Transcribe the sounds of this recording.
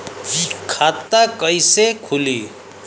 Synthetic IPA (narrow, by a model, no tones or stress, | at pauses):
d͡zikʰːat̪ːakʌjsekʰuli